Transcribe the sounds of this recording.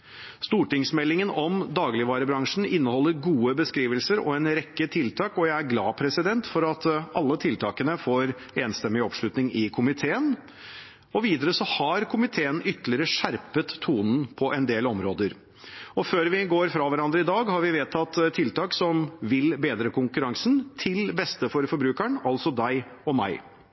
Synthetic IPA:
st̪uːʈɪŋsmɛlːɪŋənɔmd̪ɑːɡlɪʋɑːɾəbɾɑŋʂɳ̩ɪnːəhɔlːəɾɡuːəbəskɾiːʋəlsəɾɔ̰ɛnɾɛkːət̪ʰɪlt̪ʰɑːkɔjæɪæɾɡlɑ̰ːpʰɾɛsɪd̪ɛnt̪fɔɾɑt̪ʔɑlːət̪ʰɪlt̪ʰɑːkənəfoːɾ | eːnst̪ɛmːɪɔpʂlʉt̪nɪŋɪkʰʊmɪt̪ʰeːən | ɔʋiːd̪əɾəsɔhɑɾkʰʊmɪt̪ʰeːənʏt̪ːlɪəɾəʂæɾpət̪ʰːuːnn̩pʰɔʔɛnd̪eːlɔmɾoːd̪əɾ | ɔføːɾʋɪɡoːɾfɾɑʋæɾɑnd̪ɾəɪd̪ɑːɡhɑɾʋɪʋeːt̪ʰɑt̪ːt̪ʰːɪlt̪ʰɑːksɔmʋɪlbeːd̪ɾəkʊŋkʉɾɑŋsn̩t̪ʰɪlbɛst̪əfɔɾfɔɾbɾʉːkəɳɑlsɔd̪æɪɔmæ̰ɪ

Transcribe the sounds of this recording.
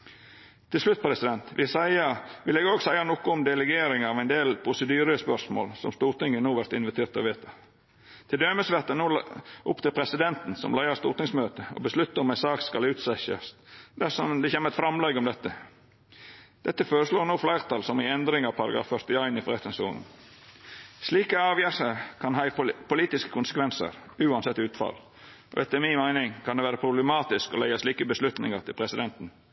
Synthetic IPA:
t̪ʰɪlslʉt̪̚ːpʰɔɾɛsɪd̪ɛnt̪ʋʔɪsæɪɑʋɪlɛːɡoːɡsæɪɑnɔːkʊɔmd̪ɛlɛɡeːɾɪŋɑʋæɪnd̪eːlpʰɾʊsəd̪yːɾəəspœʂmo̰ːlsɔ̰mst̪uːɾt̪ɪŋːənuːʋæɾt̪ɪnʋɪt̪ʰeːɾt̪ɔʋeːt̪ʰɑ | t̪ʰɪld̪øːməsʋæʁt̪ənuːʔʊpt̪ɪlpʰɾɛsɪd̪ɛnt̪n̩sɔ̰mlæɪɑst̪ṵːɾt̪nɪŋsmøːt̪əɔ̰bəslʉt̪ːəɾɔmæɪnsɑːkskɑlʉːt̪sɛçɑ̰sd̪æsɔmd̪ɛçeːmːəɾɛt̪fɾɑmlɛɡɔmd̪ɛt̪ːə | d̪̥ɛt̪ːəføːɾəsloːɾnoːflæɪɾʁt̪ʰɑlsɔmɪɛnd̪ɾɪŋɑpʰɑɾɑɡɾɑ̰ːfœɾt̪ɪjɑɪnɪfɔɾɛt̪ːɪŋsṵːnn̩ | sliːkɑɑːʋjæːsəkʰɑnhɑɪpʰʊliːt̪ɪskə̥kʰʊnsəkʰʋɛnsə̰ɾʉːɑnsɛt̪ːɪʉːt̪fɑ̰l | ʔɔ̰ɛt̪ːəɛmɪnmæɪnɪŋkʰɑnd̪ɛʋæːɾəpʰɾʊbləmɑːt̪ɪskɔlæɪɑsliːkəbəslʉt̪nɪ̰ŋɑɾt̪ʰɪlpʰɾɛsɪd̪ɛnt̪n̩

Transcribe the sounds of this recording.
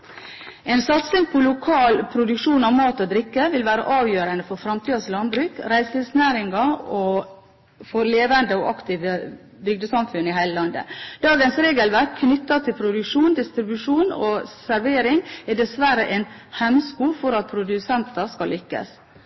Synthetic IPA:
ɛɪnsɑt̪sɪŋpʰɔlʊkʰɑːlpʰɾʊd̪ʉkʂuːnɑʋmɑːt̪ɔd̪ɾɪkːəʋɪlʋæːɾə̰ʔɑːʋjøːɾənəfɔɾfɾɑmt̪ʰiːɑslɑnbɾʉːkɾæɪslɪsnæːɾɪŋɑo | fɔɾleːʋənd̪əɔʔɑkt̪ʰiːʋə | bʏɡ̚d̪əsɑmfʉnːɪhæɪləlɑnd̪ə̰d̪̥ɑːɡənsɾeːɡəlʋækʰnʏt̪ːɑt̪ʰɪlpʰɾʊd̪ʉkʂuːnd̪ɪst̪ɾɪbʉʂuːnosæɾʋeːɾɪŋæd̪ɛsʋæɾəʔɛɪn | hɛmskuːfɔɾɑt̪̚pʰɾʊd̪ʉsɛnt̪ɑskɑllʏkːə̰s

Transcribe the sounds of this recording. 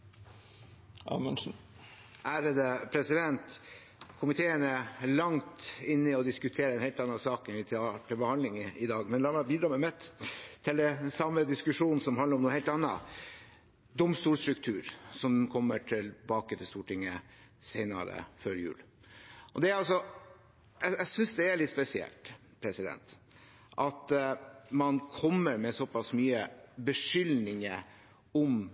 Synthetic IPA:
ɑ̰ːmɛnʂn̩ | ʔæːɾəd̪əpʰɾɛsɪd̪ɛnt̪ | kʰʊmɪt̪ʰeːənəlɑŋt̪ɪnːɪɔd̪ɪskʉt̪ʰeːɾəɛnhɛlt̪ɑnːɑsɑːkɛnʋɪt̪ʰɑːʈʰɪlbəhɑnd̪ɪŋɪd̪ɑːɡmɛnlɑːmɛbiːd̪ɾɑːmɛmɛt̪t̪ʰːɪld̪ɛsɑmːəd̪ɪskʉʂuːnn̩sɔmhɑnəɾɔmnuːnhɛɪlt̪ɑnːɑ̰ | d̪ɔmst̪uːɾst̪ɾʉk̚t̪ʰʉːɾsɔmkʰɔmːəʈʰɪlbɑːkət̪ʰɪlst̪uːʈʰɪŋːəseɪnɑ̰ɾə̰føːɾjʉ̰ːl | ʔɔd̪ɛɾɑlsɔ | ʔɛæsʏnsd̪ɛæɾɭɪt̪spɛsɪɛ̰lt̪ | pʰɾɛsɪd̪ɛ̰nt̪ | ʔɑt̪mɑnkʰɔmːəɾmɛsɔpɑsmyːəbəʂʏlnɪŋə | ɔm

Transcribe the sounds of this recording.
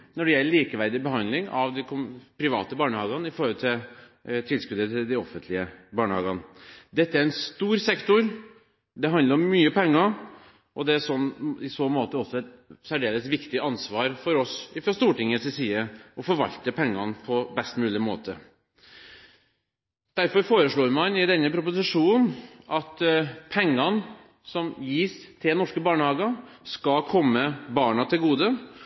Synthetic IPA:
nɔɖɛjɛlːəɭiːkəʋæɾd̪ɪbəhɑnd̪lɪŋɑʋd̪ɪkʰɔpʰɾɪʋɑ̰ːt̪əbɑːɳəhɑːɡənɪfɔɾhɔlt̪ʰɪl | t̪ʰɪlskʉd̪ət̪ʰɪld̪ɪɔfənt̪lɪəbɑːɳəhɑːɡɑnd̪ɛt̪ːəæɾɛnst̪uːɾsɛkt̪ʊɾ | d̪ɛɦɑnd̪ləɾɔmːyːəpɛŋːɑ | ʔɔd̪ɛæʂɔnɪsɔmoːt̪əɔsːɔɛt̪sæɖeːləsʋɪkt̪ɪɑnsʋɑːɾfɔɾɔsɪfɾɑst̪uːʈɪŋːəsɪsiːəɔfɔɾʋɑ̰lt̪əpʰɛŋːɑ̰npʰɔbɛst̪mʉːlɪmo̰ːt̪ʰə̰ | d̪̥æɾfɔɾfoːɾəʂɭoːɾmɑnɪd̪ɛnːəpɾʊpʊsɪʂuːn̩ʔɑt̪pʰɛŋːɑn | sɔmjiːst̪ʰɪlnɔʂkəbɑːɳəhɑːɡɑskɑkʰɔmːəbɑːɳɑt̪ʰɪlɡuːd̪ə

